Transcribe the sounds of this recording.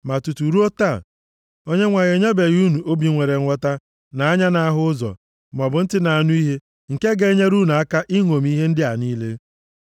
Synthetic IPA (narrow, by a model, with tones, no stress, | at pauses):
ma˨tu˨tu˨ɾu˦o˦ta˦˨ | o˦ɲe˦ŋʷa˨ɣe˨ɲe˦be˨ɣu˦nu˨ʔo˦bi˨ŋʷe˨ɾe˨˦ɔ˦ta˦ | na˨a˦ɲa˦na˨a˦ɦʊ˦ʊ˦zɔ̰˨ | m˨ɔ˨bʊ˨n̩˦tɪ˦na˨a˨nu˦i˦ɦe˦ | ŋ̩˨ke˦ɡe˦ɲe˦ɾu˦nu˨a˦ka˦ʔi˦ŋʷo˨m˦i˦ɦe˦n̩˦dɪ˦a˨niː˦le˦